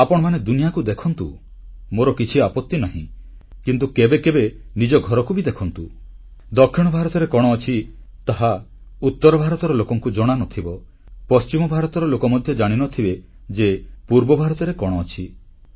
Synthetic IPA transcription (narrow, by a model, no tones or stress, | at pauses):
apɔɽ̃ɔmaned̪unijakud̪ekʰɔnt̪u | moɾɔkit͡ʃʰiapɔt̪ːinaɦḭ̃ | kint̪ukebekebenid͡ʒɔɡʱɔɾɔkubid̪ekʰɔnt̪u | d̪ɔkʰːiɽ̃ɔbʱaɾɔt̪ɔɾekɔɽ̃ɔːt͡ʃʰi | t̪aɦa | ut̪ːɔɾɔbʱaɾɔt̪ɔɾɔlokɔŋkud͡ʒɔɽ̃anɔt̪ʰibɔ | pɔst͡ʃimɔbʱaɾɔt̪ɔɾɔlokɔmɔd̪ʱjɔd͡ʒaɽ̃inɔt̪ʰibe | d͡ʒepuɾbɔbʱaɾɔt̪ɔɾekɔɽ̃ɔːt͡ʃʰi